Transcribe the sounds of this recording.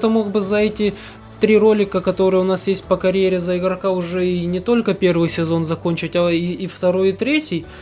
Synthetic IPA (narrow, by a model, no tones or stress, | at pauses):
t̪əmo̞ɡbɨzɐɛtʲɪ | t̪ɾʲiro̞lʲɪkəkɐt̪o̞ɾɨjəʊnasjesʲt̚ʲpəkɐɾʲjeɾʲɪzəɪɡɾɐkaʊʐɛinʲɪt̪o̞lʲkəpʲervɨjsʲɪzo̞nzɐko̞nʲt͡ɕɪtʲaiːft̪ɐɾo̞jɪt̪ɾʲetʲɪj